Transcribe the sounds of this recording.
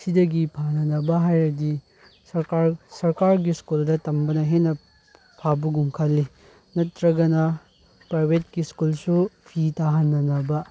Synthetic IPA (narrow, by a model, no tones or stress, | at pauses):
sidɐɡipʰanɐnɐbɐɦajɾɐdi | sɐɾkaɾsɐɾkaɾɡiskuldɐtɐmbɐnɐɦenɐ | pʰabuɡuŋkʰɐlːi | nɐtɾɐɡɐnɐ | pɾajbʱet̚ɡiskulsupʰitaɦɐnːɐnɐbɐ